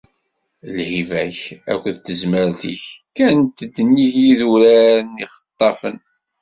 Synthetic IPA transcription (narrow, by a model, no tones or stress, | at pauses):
lhivæçæ̰kʷːəðt̪ːəzməɾθḭçkænt̪əd̪ːənːiʝjiðuɾæɾniχə̥t̪ˤːɑfən